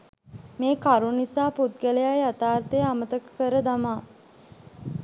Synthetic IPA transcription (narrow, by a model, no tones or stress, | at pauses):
meːkaɾunisaːput̪ɡələjajat̪aːɾt̪ejamət̪əkə̥kəɾəd̪amaː